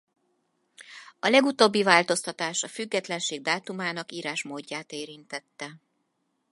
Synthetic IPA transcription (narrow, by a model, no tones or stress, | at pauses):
ɒlɛɡut̪oːbːivaːlt̪o̞st̪ɒt̪aːʃɒfyɡːɛt̪lɛnʃeːɡ̚d̪aːt̪umaːnɒkiːɾaːʃmoːɟːaːt̪eːɾint̪ɛt̪ːɛ